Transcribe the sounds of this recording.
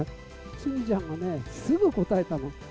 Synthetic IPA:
ɕĩɲd͡ʑãŋɡanesɨɡɯ̟ko̞t̪ae̞t̪ano

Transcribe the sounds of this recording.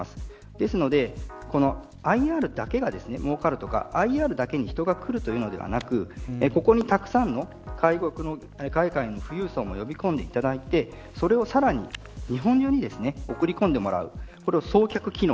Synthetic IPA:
asɨ̥ | d̪̥e̞sɨno̞d̪e̞ | ko̞no̞ | aiaːɾɯ̟d̪ake̞ɡad̪e̞sɨne̞mo̞ːkaɾɯ̟t̪o̞ka̰aiaːɾɯ̟d̪ake̞ɲ̟içi̥t̪o̞ɡakɯ̟ɾɯ̟t̪o̞jɯ̟ːno̞d̪e̞̰βa̰nakɯ̟ko̞ko̞ɲ̟it̪akɯ̟̥sãnːo̞ | kʰaiɡokɯ̟no̞ | kaikainːo̞ɸɯ̟jɯ̟ːso̞ːmo̞jo̞bʲikõ̞nd̪e̞it̪ad̪ait̪e̞ | so̞ɾe̞o̞saɾaɲ̟ḭ | ɲ̟iɦõ̞ɲ̟d͡ʑoːɲ̟id̪e̞sɨne̞o̞kɯ̟ɾʲikõnd̪e̞mo̞ɾa̰ɯ̟̰ko̞ɾe̞aso̞ːkʲakɯ̟kʲino̞

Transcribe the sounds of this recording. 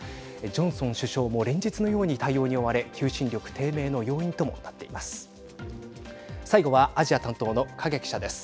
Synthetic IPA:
d͡ʑõ̞ɰ̃sõ̞ɰ̃ɕɨɕo̞ːmo̞ːɾẽ̞ɲ̟d͡ʑit͡sɨno̞jo̞ːɲ̟it̪aijo̞ːɲ̟io̞βaɾe̞kʲʰɨːɕĩnɾʲo̞kɯ̟̥t̪ʰe̞ːme̞ːno̞jo̞ːĩnt̪o̞mo̞̰nat̪ːe̞imasɨ̥ | saiɡo̞βaaʑiat̪ãnt̪o̞ːno̞kʰaɡekʲi̥ɕad̪e̞sɨ̥

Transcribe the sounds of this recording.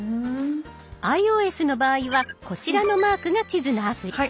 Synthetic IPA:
aio̞ːe̞sɨno̞baːiβako̞t͡ɕiɾano̞maːkɯ̟ɡat͡ɕizɨnaapɯ̟ia

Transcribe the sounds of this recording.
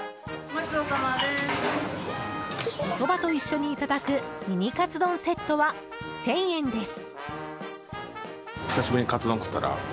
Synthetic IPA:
maɕid̪osamae | kot̪o̞bat̪o̞iɕːo̞ɲ̟iːt̪ad̪akɯ̟mʲiɲʲikat͡sɨd̪õ̞ɰ̃se̞t̪ːo̞βa | sẽ̞ɰ̃ẽ̞nd̪e̞sɨ̥ | ççʲi̥saɕibɯɲ̟ikat͡sɨd̪õŋkɯ̥t̪ːa̰ɾa̰

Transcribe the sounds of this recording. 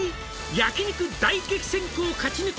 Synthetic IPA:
i | jakiɲʲikɯ̟d̪aikekʲi̥sẽ̞ŋkoːkat͡ɕinɯ

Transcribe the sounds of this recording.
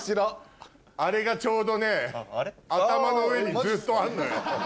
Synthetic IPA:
ɕ͈iɾ | aɾiɡat͡ɕʰodone | at͈amanoind͡ʑɯt͈oanːɯ

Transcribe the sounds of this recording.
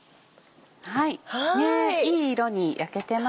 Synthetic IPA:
haihaneiːɾo̞ɲ̟ijʔake̞t̪e̞ma

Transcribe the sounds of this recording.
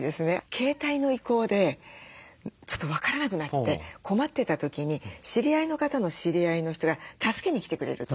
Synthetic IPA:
d̪e̞sɨne̞kʰe̞ːt̪aino̞iko̞ːd̪e̞ | t͡ɕo̞̥t̪ːo̞β̞akaɾanak̬ɯ̟nat̪ːe̞kʰo̞mat̪ːet̪at̪o̞kʲiɲ̟iɕiɾʲiaino̞kat̪ano̞ɕiɾʲiaino̞çi̥t̪o̞ɡat̪asɨ̥ke̞ɲ̟ikʲi̥t̪e̞kɯ̟ɾe̞̰ɾɯ̟t̪o

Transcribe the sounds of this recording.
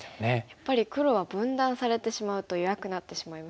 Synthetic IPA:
nejapːaɾʲikɯ̟ɾo̞βabɯ̟̃nd̪ãɰ̃saɾe̞t̪e̞ɕimaɯ̟t̪o̞joβakɯ̟nat̪ːe̞ɕimaima

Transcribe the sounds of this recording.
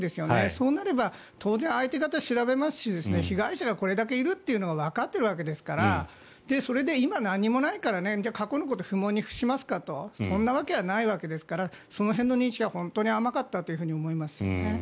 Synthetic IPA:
d̪e̞sɨjo̞ne̞so̞ːnaɾe̞ba | t̪ʰo̞ːzẽ̞ɰ̃ait̪e̞kat̪aɕiɾabe̞masɨ̥ɕid̪e̞sɨne̞çiɡaiɕaɡako̞ɾe̞d̪ak̬e̞iɾɯ̟t̪ːe̞iɯ̟no̞ɡaβ̞akat̪ːe̞ɾɯ̟βake̞d̪e̞sɨ̥kaɾa | d̪̥e̞so̞ɾe̞d̪e̞imanãɲ̟ːimo̞naikaɾane̞d͡ʑakako̞nok̬o̞t̪oɸɯ̟mõ̞ɲ̟ːiɸɯ̟̥ɕimasɨ̥kat̪o̞sõ̞nːaβake̞βanaiβake̞d̪e̞sɨ̥kaɾa | so̞no̞ɦẽ̞nːo̞ɲ̟ĩɲɕiɡahõ̞nt̪o̞ːɲ̟iamakat̪ːat̪ːoiɯ̟ɸɯ̟ɲ̟iomo̞imasɨjo̰ne

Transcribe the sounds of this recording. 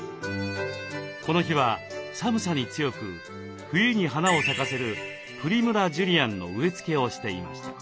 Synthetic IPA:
ko̞no̞çiβa | samɯ̟saɲ̟it͡sɨjo̞kɯ̟ | ɸɯ̟jɯ̟ɲ̟iɦanao̞sakase̞ɾɯ̟ | ɸɯ̟ɾʲimɯ̟ɾaʑɯɾʲiãnːo̞̰ɯe̞t͡sɨ̥ke̞o̞ɕi̥t̪e̞ima̰ɕi̥t̪ḁ

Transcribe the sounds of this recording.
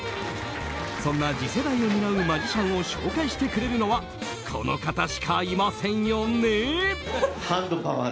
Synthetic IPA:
sõ̞nːad͡ʑise̞d̪aio̞mʲiɾaɯ̟mad͡ʑiɕãɰ̃o̞ɕo̞ːkaiɕi̥t̪e̞kɯ̟ɾe̞ɾɯ̟no̞βa | kʰo̞̰no̞̰kat̪aɕi̥kʰaimasẽ̞ɰ̃jo̞ne | hãnd̪opaβa

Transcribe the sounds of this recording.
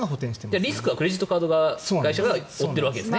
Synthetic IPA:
hot̪ẽɕi̥t̪ed͡ʑaɾʲisɨ̥kɯ̟βakɯ̟ɾe̞ʑit̪ːokaːd̪o̞ɡakaiɕaɡaot̪ːe̞ɾɯ̟βake̞d̪esɨne

